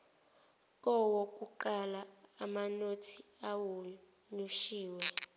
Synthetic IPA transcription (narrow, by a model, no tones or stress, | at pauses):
k̬ʼɔwok̬ʼuǃalaː | manotʰiawu | nuʃiːwɛ